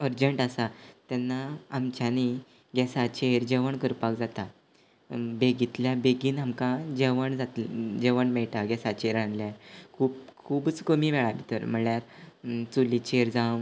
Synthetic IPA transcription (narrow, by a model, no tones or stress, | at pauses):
əɾd͡ʑəɳʈasat̪janːaːmt͡ɕani | ɡɛsat͡ɕeɾd͡ʑeʋəɳkəɾpakd͡zat̪a | beɡit̪ljabeɡiːnamkãd͡ʑeʋəɳd͡zat̪d͡ʑeʋəɳmɛɭʈaɡɛsat͡ɕeɾanljaɾkʰuːpkʰuːbət͡skəmimeɭabit̪əɾm̤əɭjaɾt͡sulit͡ɕeɾd͡zãw